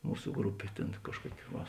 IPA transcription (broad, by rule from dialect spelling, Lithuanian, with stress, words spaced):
ˈmuːsʊ ˈɡrʊpʲeː ˈtʲeːn ˈkɑːʃˌkuɔkʲɪ ʋɐ